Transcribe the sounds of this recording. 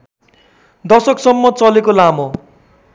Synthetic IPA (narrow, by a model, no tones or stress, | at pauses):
d̪ʌsʌksʌmːʌt͡sʌlekolamo